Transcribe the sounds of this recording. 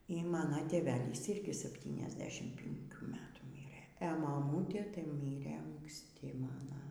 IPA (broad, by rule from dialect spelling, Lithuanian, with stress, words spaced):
iː ˈmɑːnoː tʲeːˈʋʲæːlʲiːs ˈɪrʲɡʲɪ sɐpʲˌtʲiːnʲɛzʲˈdʲæːʃʲɪm pʲɪŋʲˈkʲuː ˈmʲæːtuː ˈmʲiːrɘ ɛ mɐˈmuːtʲeː tɐɪ ˈmʲiːrɘ ɐŋksʲˈtʲɪ ˈmɑːnɐ